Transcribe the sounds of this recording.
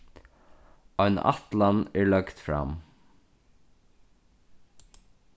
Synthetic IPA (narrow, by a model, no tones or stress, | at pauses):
ɔjna̰t̪lanɛɹlœkt̪fɾa̰m